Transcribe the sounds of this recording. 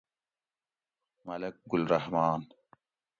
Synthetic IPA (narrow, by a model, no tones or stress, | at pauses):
mɐlɐk̚ɡʊlɾɐhmaːn